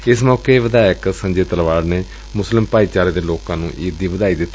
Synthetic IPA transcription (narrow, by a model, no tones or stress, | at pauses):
ɪsmɔːkeːʋɪd̪aːjəksə̃ɲd͡ʒeːt̪əlʋaːɖneː | mʊslɪmpaːiːt͡ʃaːɾeːd̪eːloːkãːnṵ̃ːʔiːd̪iːʋəd̪aːiːd̪ɪt̪ː